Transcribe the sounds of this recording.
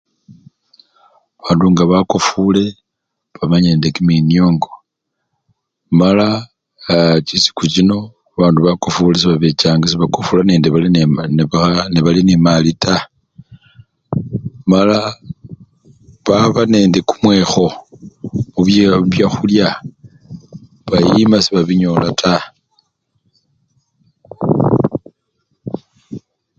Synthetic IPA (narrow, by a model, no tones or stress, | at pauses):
βaːnduŋɡaβakofule̞ | βamaɲe̞ːndekiminioːŋɡo̞ | mala | t͡ʃisi̥kut͡ʃino̞ | aβaːnduβakofules̬iβaβet͡ʃaːŋɡas̬iβakofulane̞ːndeβalnβaneβalinemalita | mala | βaβane̞ːnde̞kumwe̞ːxo̞ | muβjβjaxulja | βajimasiβaβiɲo̞ːlatʰa